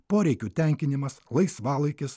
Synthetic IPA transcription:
poːɾʲɛɪkʲuːt̪ʲɛˑŋʲkʲɪnʲɪmɐslˠɐɪsʋɑːlˠɐɪkʲɪs

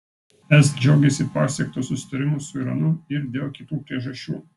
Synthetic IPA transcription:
ɛsd͡ʒʲɛʊɡʲɛsʲɪpɑːsʲɛkt̪oːsʊsʲɪ̥t̪ɐɾʲɪmʊsʊiɾɐnʊɪɾd̪ʲeːlˠkʲɪt̪uːpʲɾʲiɛʒɐʃʲt͡ʃʲṵː

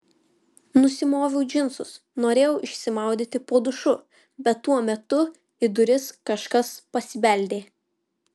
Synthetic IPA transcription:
nʊsʲɪmoːʋʲɛʊd͡ʒʲɪnsʊs | noːɾʲeːjɛʊʔɪʃʲsʲɪmɑˑʊd̪ʲiːt̪ʲɪpoːd̪ʊʃʊ | bʲɛt̪ːuɔmʲɛt̪ʊ | ɪd̪ʊɾʲɪskɐʃkɐspɐsʲɪʋʲɛˑlʲd̪ʲeː

